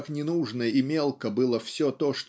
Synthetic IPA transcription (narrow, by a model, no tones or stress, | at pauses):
knʲɪnuʐnəimʲe̞lˠkəbɨlˠəfsʲɵt̪oʂt̪